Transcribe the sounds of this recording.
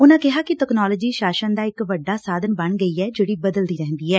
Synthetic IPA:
ʊnãːkɪɦaːkɪʈɛːknaːlɔːd͡ʒiːʃaːʃənd̪aːɪkʋəɖːaːsaːd̪ənbəɳɡəiːɛːd͡ʒeːɽiːbəd̪əld̪iːɾɛɦnd̪iːɦɛː

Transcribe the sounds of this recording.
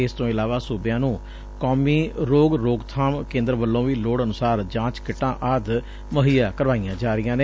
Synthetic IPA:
ɪst̪õːɪlaːʋaːsuːbɪjãːnũː | kɔːmiːɾoːɡɾoːɡt̪ʰaːmkẽːnd̪əɾʋəlːõːʋiːloːɽənʊsaːɾd͡ʒãːt͡ʃkɪʈːãːʔaːd̪ | məɦiːaːkəɾʋaːijãːd͡ʒaːɾɪjãːneː

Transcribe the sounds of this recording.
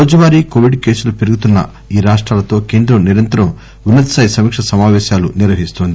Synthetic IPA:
oːd͡ʒɐʋaːɾiːkoːʋiɖke̞ːsulupeɾuɡut̪unːɐ̰ | iːɾaːʂʈɾaːlɐt̪o̞ːke̞ːnd̪ɾɐmniɾɐnt̪ɐɾɐm | unːɐt̪ɐsɐjsɐmiːkʂɐsɐmaːʋɛːʃaːluniɾʋɐɦist̪oːnd̪i

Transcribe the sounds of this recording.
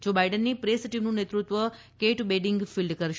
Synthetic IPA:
d͡ʒobaiɖənːipɾesʈimnũnet̪ɾut̪ʋə | keʈbeɖɪŋɡfilɖkəɾʃ

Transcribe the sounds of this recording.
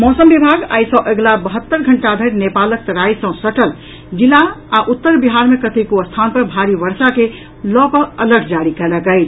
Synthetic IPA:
mɔsəmbibʱaɡa̰jsə̃ʔeɡlabəɦət̪ːəɾɡʱəɳʈad̪ʱəɾnepalək̚t̪əɾajsə̃səʈəl | d͡ʒilːaːʔut̪ːəɾbiɦaɾmekət̪ekuəst̪ʰanpəɾbʱaɾibəɾsake | lɔkɔələɡʱd͡ʒaɾikɛləkəɪt͡ʃ

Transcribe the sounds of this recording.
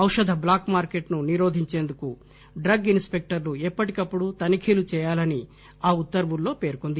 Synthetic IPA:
ɐwʂɐd̪ʱɐblaːkmaːɾke̞ʈnuniɾo̞ːd̪ʱiɲt͡ʃe̞ːnd̪uku | ɖɾɐɡinspe̞k̚ʈɐɾluɛpːɐʈikɐpːuɽut̪ɐnikʰiːlut͡ʃɛːjaːlɐni | aːut̪ːɐɾʋulːo̞ːpe̞ːɾkond̪i

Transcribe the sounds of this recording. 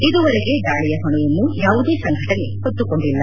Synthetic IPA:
id̪uʋɐɾeɡe̞ɡaːɭɛjɐɦɐɳujɐnːujaːʋud̪eːsɐŋɡʱɐʈɐnehot̪ːuko̞ɳɖilːɐ

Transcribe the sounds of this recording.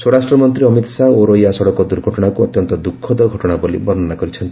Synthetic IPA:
swoɾasʈɾɔmɔnt̪ɾiɔmit̪saoɾojasɔɽɔkɔd̪uɾɡʱɔʈɔɽ̃akuɔt̪jɔnt̪ɔd̪ukʰːɔd̪ɔɡʱɔʈɔɽ̃abolḭbɔnɔnakɔɾit͡ʃʰɔnt̪i

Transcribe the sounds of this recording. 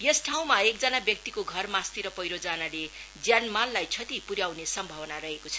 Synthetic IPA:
jʌsʈʰaw̃maek̚d͡zʌnabjʌk̚t̪ikoɡʱʌrmast̪iɾʌpʌjɾod͡zanaled͡zjanmalːajt͡sʰʌt̪ipuɾjawnesʌmbʱʌwʌnaɾʌɦekot͡sʰʌ̥

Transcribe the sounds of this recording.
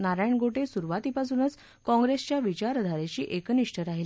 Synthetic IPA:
naɾajɳɡoʈesuɾʋat̪ipasunət͡s | kɔ̃ŋɡɾest͡ɕjaʋit͡ɕaɾəd̪ʱaɾet͡ɕiːʔekniʂʈəɾaɦili

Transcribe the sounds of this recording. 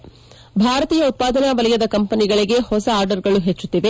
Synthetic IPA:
bʱaːɾɐt̪iːjɐut̪̚paːd̪ɐnaʋɐlɛjɐd̪ɐkɐmpɐniɡɐɭiɡe̞hɔsɐːɾɖɐɾɡɐɭuɦet͡ʃːut̪ːiʋe

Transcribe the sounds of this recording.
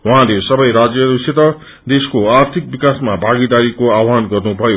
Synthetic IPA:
waɦãlesʌbʌjɾad͡zjʌɾusʰit̪ʌ | d̪eskoart̪ʰik̚bikasmabʱaɡid̪aɾikoawanɡʌrnubʱʌjo

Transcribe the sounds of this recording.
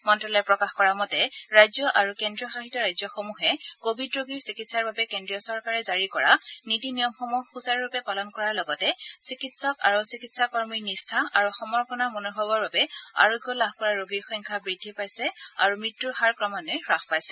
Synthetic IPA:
mɔntɹɔlɔjpɹɔkaxkɔɹamɔtɛɹajzɔʔaɹukendɹiɔxaxitɔɹajzɔxomuxɛkobʱidɹoɡiɹsikitsaɹbabɛkendɹijɔsɔɹkaɹɛzaɹikɔɹa̰nitinijɔmxɔmuɦxusaɹupɛpalɔnkɔɹaɹlɔɡɔtɛsikitsɔka̰ɹusikitsakɔɹmiɹnistʰaʔaɹuxɔmɔɹpɔnamonɔɦɔbɔɹbabɛa̰ɹoɡjɔlabkɔɹaɹoɡiɹxɔjŋkʰabɹidʱːipajsɛa̰ɹumɹitːuɹxaɹkɹɔmanɔjɹaxʰpajsɛ

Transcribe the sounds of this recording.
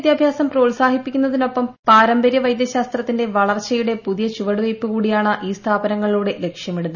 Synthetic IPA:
d̪jaːbʱjaːsɐmproːlsaːhipːikʲːunːɐðino̞pːɐmpaːɾɐmbɐɾjɐʋɐjd̪jɐɕaːst̪rɐt̪ːinde̞ʋɐɭɐrt͡ɕːɐjuɽe̞puðijɐt͡ɕuʋɐɽuʋɐjpːɨkuːɽijaːɳɨʔiːst̪ʰaːbɐnɐŋːɐɭiluːɽe̞le̞kʂjɐmiɽunːɐ

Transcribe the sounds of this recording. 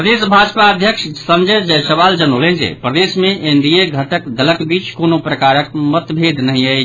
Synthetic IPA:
pɾəd̪esbʱad͡ʒpaəd̪ʱjəkʃsəmd͡ʒəd͡ʒəsəβald͡ʒənolend͡ʒḛpɾəd̪esmeʔind̪ijeɡʱəʈəkd̪ələkbit͡ʃkonopɾəkaɾəkmət̪bʱed̪nəɦĩəj

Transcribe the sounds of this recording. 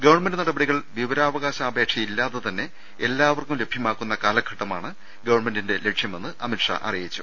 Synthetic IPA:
ɡɐʋɐrɳmendɨnɐɽɐbɐɽiɣɐɭʋiʋɐɾaːʋɐɣaːɕɐːbʱe̞ːkʂɐjilːaːðɐt̪ɐnːe̞ | elːaːʋɐrkumle̞bʱjɐmaːkːunːɐkaːlɐkʰːɐʈːɐmaːɳɨ | ɡɐʋɐɳmendinde̞leʈʂjɐme̞nːɨʔɐmiʈʂɐ̰ʔɐ̰rijit͡ɕːu

